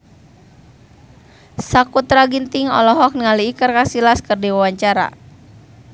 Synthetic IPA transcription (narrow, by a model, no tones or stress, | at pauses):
sakut̪ɾaɡint̪iŋɔ̰lɔɦɔk̚nəŋaliːkərkasilaskɨrdiwawaɲt͡ʃaɾa̰